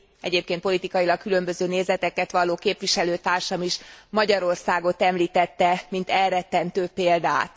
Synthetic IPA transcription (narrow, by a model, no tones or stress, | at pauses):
ɛ̰ɟeːp̚keːnt̪po̞lit̪ikɒjilɒkːylø̞mbøzøːneːzɛt̪ɛkɛt̪ʋɒlːoːkeːpʋiʃɛløːt̪aːrʃɒmiʃmɒɟɒɾo̞rsaːɡo̞t̪ɛmliːt̪ɛt̪ːɛmint̪ɛlrɛt̪ːɛnt̪øːpeːld̪a̰ːt̪